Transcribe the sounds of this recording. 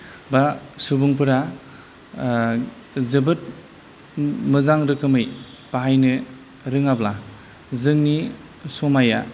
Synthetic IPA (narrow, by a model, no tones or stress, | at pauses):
basubuŋpɯɾa | zɯbɯt̚ | mɯzaŋɾɯkʰɯmɯj | paɦajnɯ | ɾɯŋabla | zɯŋni | somaja̰